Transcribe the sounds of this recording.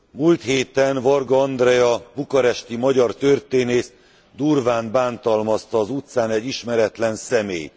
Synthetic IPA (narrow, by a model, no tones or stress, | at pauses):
mult̪heːt̪ɛnvɒrɡoɒnd̪rɛjɒbukɒɾɛʃt̪imɒɟɒrt̪ørt̪eːneːst̪ | d̪urvaːnbaːnt̪ɒlmɒst̪ɒːzut̪saːnɛɟːiʃmɛɾɛt̪lɛnsɛmḛːj